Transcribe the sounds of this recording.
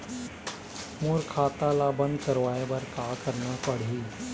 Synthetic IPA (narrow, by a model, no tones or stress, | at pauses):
moɾkʰaːt̪alabə̃nd̪kəɾʋaːjebɐɾkaːkəɾnapəɽ̤iː